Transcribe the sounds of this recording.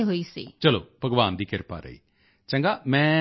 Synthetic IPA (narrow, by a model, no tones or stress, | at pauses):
ɦoːiːsḭːt͡ʃəlo̰ːpəɡʋaːnd̪iːkɪɾpa̰ːɾə̰ḭː | t͡ʃə̃ŋɡaːmɛ̃ː